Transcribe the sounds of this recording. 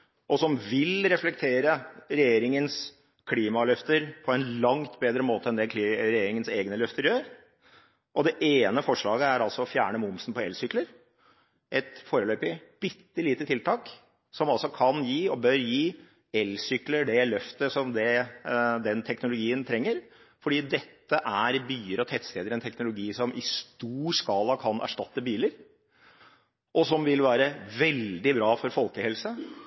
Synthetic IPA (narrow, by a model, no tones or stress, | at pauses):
ʔɔsɔmʋɪlɾɛflɛk̚t̪ʰeːɾəɾɛjeːɾɪŋəns | kʰliːmɑlœft̪əɾpʰɔɛnlɑŋt̪beːd̪ɾəmoːt̪əɛnd̪ɛkʰːɾɛjeːɾɪŋənseːɡnəlœft̪əɾjøːɾ | ʔɔd̪ɛʔeːnəfɔʂɭɑːɡəæɾɑlsɔɔfjæːɳəmʊmsn̩pɔɛlsʏkləɾ | ʔɛt̪foːɾəløːpɪb̥ʏt̪ːɪliːt̪ət̪ʰɪlt̪ʰɑːk | sɔmɑlsɔkʰɑnjiːɔbœɾjiː | ɛlsʏkləɖɛlœft̪əsɔmd̪ɛ | d̪ɛnt̪ʰɛknʊlʊɡiːənt̪ʰɾɛŋːəɾ | fɔɖiːd̪ɛt̪ːəʔæɾbyːəɾɔt̪ʰɛt̪st̪eːd̪əɾɛnt̪ʰɛknʊlʊɡiːsɔmʔɪst̪uːskɑːlɑkʰɑnʔæ̰ʂʈɑt̪ːəbiːləɾ | ʔɔsɔmʋɪlʋæːɾəʋɛld̪ɪbɾɑːfɔɾfɔlkəhɛlsə